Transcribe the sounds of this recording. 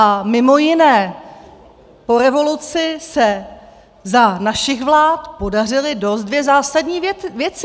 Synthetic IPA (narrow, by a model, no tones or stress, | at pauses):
amɪmo̞jɪnɛː | po̞ɾɛvo̞lut͡sɪsɛ | zanaʃɪɣvlaːt̪po̞dar̝ɪlɪdo̞st̪̚dvjɛzaːsadɲiːvjɛt͡sɪ